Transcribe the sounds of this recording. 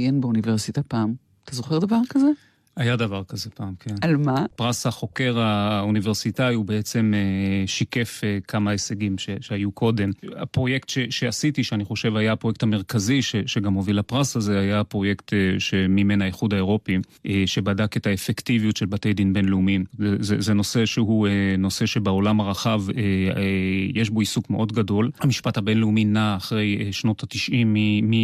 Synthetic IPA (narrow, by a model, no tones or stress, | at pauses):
jenbeuniveʁsitapaːm | at̪ʰazoχeʁd̪avaʁkaze | ajadavaʁkaze̞paːmkʰenalmapʁasaχo̞ke̞ʁauniveʁsitaiubeet͡se̞meʃike̞fekʰamaeseɡimʃeʃeajukʰo̞de̞ma̰pʁo̞je̞ktʃeʃeasitiʃeaniχo̞ʃe̞vajapʁo̞jekthame̞ʁ̞kaziʃeʃeɡamho̞vilapʁasaze̞ajapʁo̞je̞kteʃemime̞najeχudaeʁo̞pi | eʃebadake̞taefektivijutʃelbate̞jdinbe̞nleumimzezezeno̞se̞ʃeɦueno̞se̞ʃe̞beo̞lamaʁaχave | je̞ʃbo̞isukmeʔo̞dɡado̞lhamiʃpathabe̞nleuminaːχʁe̞jeʃno̞tatiʃʔimːiːi